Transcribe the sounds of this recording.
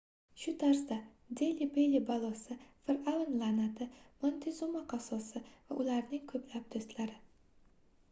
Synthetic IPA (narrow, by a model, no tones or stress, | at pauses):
ʃʊt̪ʰaɾsd̪a | d̪elibelʲibalˠosɪfɪɾʔawnlˠanat̪ʰɪmont̪ʰɪzumaqʰɑsɒsɪvaʔʊlaɾnɪŋkʰɵplap̚d̪̥ɵst̪laɾɪ